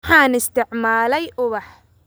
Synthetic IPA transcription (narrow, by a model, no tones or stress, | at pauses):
ħɑːnɪst̪ʰɪʕmaːlɛjʔʊβɐħ